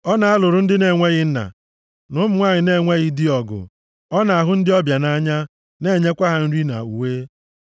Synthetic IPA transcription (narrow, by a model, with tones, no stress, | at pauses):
ɔ˦na˨a˦lʊ˨ɾʊ˦n̩˦dɪ˦ne˨ŋʷe˦ɣɪ˦n̩˦na̰˨ | nʊ˦mʊ˨ŋʷa˦ɲɪ˨ne˦˨ŋʷe˦ɣi˦di˦ɔ˨ɡʊ̰˨ | ɔ˦na˨a˨ɦʊ˦n̩˦dɪ˦ɔ˦bja˨na˦ɲa˦ | ne˦˨ɲe˦kʷa˦ɦa˨n̩˦ɾi˦na̰˨u˨weː˦